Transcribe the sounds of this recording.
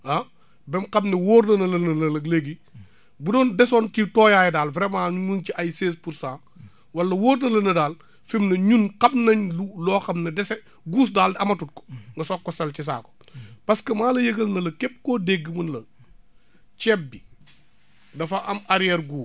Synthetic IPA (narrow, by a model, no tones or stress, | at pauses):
ɐ | bɛmqɐmnɛwoːɾnɐnɐlɐnɐnɐlɐleɡi | budɔːndɛsɔncitɔːjajdaːlvɾɛmaːɲuɲunciɐjseːspuɾsãː | wɐlːɐwoːɾnɐlɐnɐdaːl | fimnɐɲunqɐbnɐɲlulɔːxɐmnɐdɛsɛ | ɡuːs̬daːldɐmɐtut̚kɔ̥ŋɡɐsɔkːɔsɐlcis̬a̰ːkɔ̥ | pɐskɐmaːlɐjɐɡɐlnɐlɐkɛp̚kodeɡːəmɐnlɐ | cɛp̚bi | dɐfɐʔɐmɐɾijɛɾɡuː